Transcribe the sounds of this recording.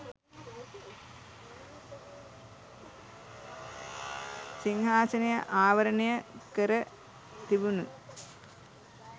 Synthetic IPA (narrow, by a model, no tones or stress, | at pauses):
siŋhaːsɐnɐjɐʔaːʋɐɾɐɳɐjɐkɐɾɐ | t̪ibunu